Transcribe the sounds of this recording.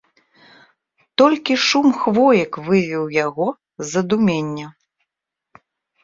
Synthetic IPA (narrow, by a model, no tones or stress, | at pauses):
t̪ɔlʲkʲiʂumxvɔjɐkvɨvʲiwjaɣɔ | zɐd̪umʲenʲːɐ